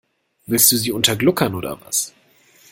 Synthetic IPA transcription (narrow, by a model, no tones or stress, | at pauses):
vɪlst̚d̥uːziːʊntɐɡlʊkʰɐnʔoːdɐ̰va̰s